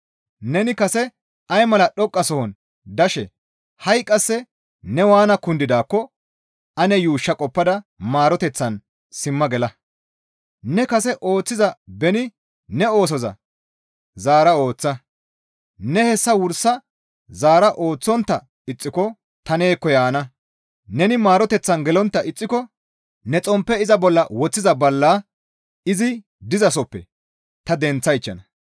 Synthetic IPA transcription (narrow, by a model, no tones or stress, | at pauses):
nɛnɪkɐsɛ | ɐjmɐlɐɗɔkʼːɐsɔhɔn | d̪ɐʃɛ | hɐjkʼːɐsːɛ | nɛwaːnɐkʊnd̪ɪd̪aːkːɔ | ʔɐnɛjuːʃːɐkʼɔpːɐd̪ɐmaːɾɔt̪ɛt͡sːɐn | sɪmːɐɡɛlɐ | nɛkɐsɛʔo̞ːt͡sːɪzɐbɛnɪ | nɛo̞ːs̬ɔzɐ̰ | zaːɾɐo̞ːt͡sːɐ | nɛhɛsːɐwʊɾsɐ | zaːɾɐʔo̞ːt͡sːɔnt̪ːɐ | ɪt͡sʼːɪkɔ | t̪ɐne̞ːkːɔjaːnɐ | nɛnɪmaːɾɔt̪ɛt͡sːɐnɡɛlɔnt̪ːɐʔɪt͡sʼːɪkɔ | nɛt͡sʼɔmpːɛɪzɐbɔlːɐwɔt͡sːɪzɐbɐlːaː | ɪzɪ | d̪ɪzɐs̬ɔpːɛ̰ | t̪ɐd̪ɛnt͡sːɐjɪt͡ʃːɐnɐ